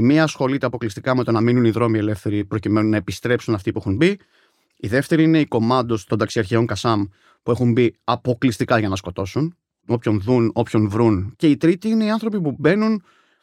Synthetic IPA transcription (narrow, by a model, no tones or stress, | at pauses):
miɐsxo̞lit̪eɐpo̞klist̪ikɐme̞t̪o̞nɐminuniðɾo̞mie̞le̞fθe̞ɾipɾo̞cime̞nunːɐe̞pist̪ɾe̞psunɐft̪ipuexunbi | iðe̞ft̪e̞ɾiine̞iko̞mɐtd̪o̞st̪ond̪ɐksiɐɾçeo̞ŋkɐsɐm | pue̞xumbiɐpo̞klist̪ikɐʝɐnɐsko̞t̪o̞sun | o̞pço̞nðuno̞pço̞nvɾunce̞it̪ɾit̪iine̞iɐnθɾopipube̞nun